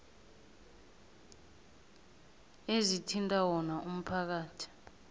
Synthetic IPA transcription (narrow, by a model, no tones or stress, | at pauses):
ezitʰintʼawɔnaum̩pʰak̬aːtʰi̥